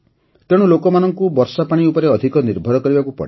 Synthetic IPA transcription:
t̪eɽ̃ulokɔmanɔŋkubɔɾsapaɽ̃iupɔɾeɔd̪ʱikɔniɾbʱɔɾɔkɔɾibakupɔ̰ɽi

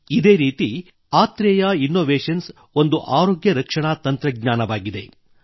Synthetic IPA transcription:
id̪e̞ːɾiːt̪i | aːt̪ɾɛːjaːinːoːʋeːʂɐns | o̞nd̪uʔaːɾoːɡjɐɾɐkʂɐɳaːt̪ɐnt̪ɾɐɡ̚ɲaːnɐʋaːɡid̪e̞

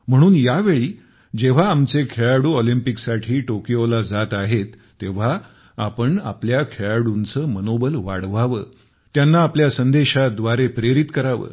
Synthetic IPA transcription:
m̤əɽ̃uːnjaʋeɭiː | d͡ʑeʋ̤aːmt͡sekʰeɭaɽuːɔlimpiksaʈʰiːʈokijolad͡zat̪aɦet̪ːeʋ̤a | apəɳa̰pljakʰeɭaɽunt͡səːmənobəlʋa̰ɽʋaʋəː | t̪janːaːpljasənd̪eɕad̪ʋaɾepɾeɾit̪kəɾaʋə̰ː

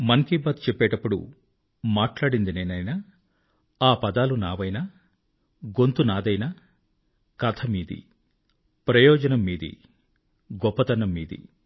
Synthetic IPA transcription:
mɐŋkiːbaːt̪̚t͡ʃɛpːɛːʈɐpːuɽṵ | maːʈlaːɽind̪ineːnɐjna | aːpɐd̪aːlunaːʋɐjnɐ | ɡont̪unaːd̪ɐjnɐ | kɐt̪ʰɐmiːd̪ḭ | pɾɐjɔːd͡ʒɐnɐmːiːd̪ḭ | ɡɔpːɐt̪ɐnːɐmːiːd̪ḭ

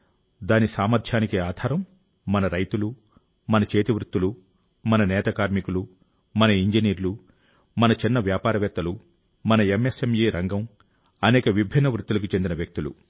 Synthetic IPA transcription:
d̪aːnisaːmɐɾd̪ʰjaːnikiaːd̪ʱaːɾɐmː | ɐnɐɾɐjt̪ulu | mɐnɐt͡ʃeːt̪iʋɾut̪ːulu | mɐnɐnɛːt̪ɐkaːɾmikulu | mɐnɐiɲd͡ʒiniːɾlu | mɐnɐt͡ʃinːɐʋjaːpaːɾɐʋɛːt̪ːɐlu | mɐnɐemesemjiɾɐŋɡɐm | ɐnɛːkɐʋibʱinːɐʋɾut̪ːulɐk̬it͡ʃend̪inɐʋjɐk̚t̪ulṵ

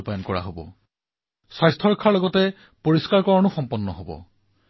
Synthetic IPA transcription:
pajɔnkɔɹa̰ɦobɔ̰ | swajstʰɔɹɔkʰːaɹlɔɡɔtɛ | poɹiskaɹkɔɹɔnʊxɔmpɔnːɔ̰ɦobɔ̰

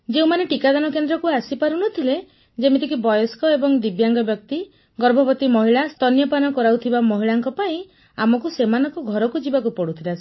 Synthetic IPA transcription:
d͡ʒeũmaneʈikad̪anɔkend̪ɾɔkuasipaɾunɔt̪ʰile | d͡ʒemit̪ʰikibɔjɔskɔebɔŋd̪ibjaŋɡɔbjɔk̚t̪i | ɡɔɾbʱɔbɔt̪imɔɦiɭast̪ɔnjɔpanɔkɔɾawt̪ʰibamɔɦiɭaŋkɔpaĩ | amɔkusemanɔŋkɔɡʱɔɾɔkud͡ʒibakupɔɽut̪ʰilasi̥

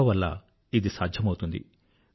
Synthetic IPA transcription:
ɐʋɐlːɐ̰ | id̪isaːd͡ʒʱjɐmɐwt̪und̪ḭ

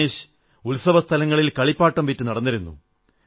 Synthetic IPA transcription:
eːɕ | ulsɐʋɐst̪ʰɐlɐŋːɐɭilkɐɭipːaːʈːɐmʋitːɨnɐɽɐnːiɾunːṵ

